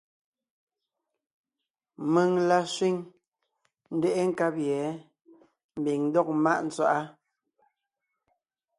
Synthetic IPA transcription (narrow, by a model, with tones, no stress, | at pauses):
mɨ˨ŋla˦swi˦ŋ | n̩˦dɛ˦ʔe˦ŋ̩˨ka˦pjɛ˨˦ | m̩˨bi˨ŋn̩˦dɔ˦k̚ma˦ʔn̩˦t͡swa̰˦˨ʔa˦